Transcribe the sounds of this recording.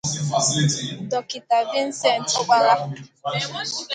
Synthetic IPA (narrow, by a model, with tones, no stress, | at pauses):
fa˨si˦i˨t̩˨dɔ˨ki˨ta˨vi˦n̩˦sɛ˦˨n̩˨to˦ɡ͡bʷa˦ɾa˦˨